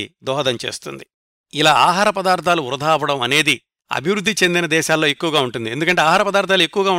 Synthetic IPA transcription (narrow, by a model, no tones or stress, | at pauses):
d̪ɔːɦɐd̪ɐɲt͡ʃe̞̰ːst̪ṵnd̪i | ilaːaːɦaːɾɐpɐd̪aːɾt̪ʰaːluuɾɐd̪ʱaːpɐɽɐmɐne̞ːd̪i | ɐ̰bʱiʋɾud̪ʱːit͡ʃe̞nd̪inɐd̪ɛːʃaːlːoːe̞kːuʋɐɡaːuɳʈund̪ie̞nd̪ukɐɳʈe̞ːaːɦaːɾɐpɐd̪aːɾt̪ʰaːlue̞kːuʋɐɡaːu